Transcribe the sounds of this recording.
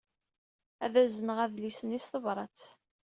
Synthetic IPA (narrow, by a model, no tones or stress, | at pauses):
æðæzənəʁæðlisənisθəvɾˤɑt͡s